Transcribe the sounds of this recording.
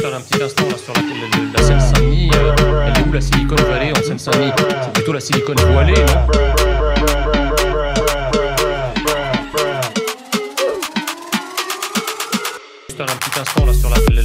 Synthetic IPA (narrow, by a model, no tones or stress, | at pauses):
fɛʁɛ̃pə̥t̪it̪ɛ̃st̪ɑ̃lasyʁlaklasɛnsɛ̃niøɛleulasilikɔnvaleɑ̃sɛnsɛ̃nisɛplyt̪olasilikɔnvwalea | fɛʁɛ̃pət̪it̪ɛ̃st̪ɑ̃lasyʁla